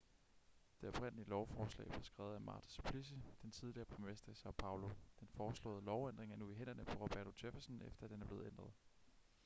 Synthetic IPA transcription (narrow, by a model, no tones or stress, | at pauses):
d̥e̝ɒ̽b̥ʁɛn̰əliəlɒʊfɒːslɛ̰ːb̥leɐsɡ̥ʁɛːʊð̩ˠæmɑ̰̈ːt͡sʰi̥spʰlis̬əd̥ent͡sʰið̞ˠliɐːpʰʁomesd̥ɐsɑ̈ʊpʰɑ̈ʊlo̝d̥enfɒːslɔ̰̽ːð̩ˠlɒʊæn̰d̥ʁeŋɐnuiɦen̰ɐnəpʰɒ̽ʁɑb̥æɐt͡sʰod̥efæsənefd̥ɐæd̥enæɐb̥e̝ːð̩ˠend̥ʁɐð̞ˠ